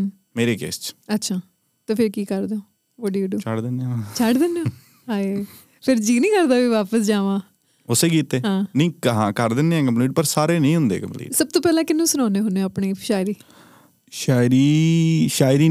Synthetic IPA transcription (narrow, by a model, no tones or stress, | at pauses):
meːɾeːkḛːst͡ʃətːʃʰaː | t̪eːpʰɪɾkiːkəɾd̪eo | oɖiːɖuːt͡ʃʰəɽd̪ɪnat͡ʃʰəɖd̪ɪnːoː | ɦaːe | pʰɪɾd͡ʒiːnĩːkəɾd̪aːʋiːʋaːpəsd͡ʒaːʋãː | ʊseːkiːt̪eːɦãːnĩːkɦãːkəɾd̪ɪneɛːkəmpliːʈ̚pəɾsaːɾeːnəĩːɦʊ̃nd̪ḛːkəmplḭːʈsəb̚t̪oːpɛːlãːkɪnːũːsʊnaːneːɦʊneaːpɳiːʃaːɪɾiː | ʃaːɪɾiːʃaːɪɾiː